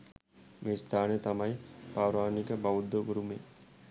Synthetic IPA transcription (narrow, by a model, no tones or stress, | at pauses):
meːst̪ʰaːnət̪ɐmajpaːɾaːnikəbaʋud̪ːoɡuɾumeː